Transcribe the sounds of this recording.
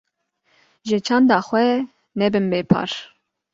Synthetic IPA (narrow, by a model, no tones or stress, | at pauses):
ʒət͡ʃʰɑːnd̪ɑːxwɛ | nɛbɨnbeːpʰɑ̰ːɾ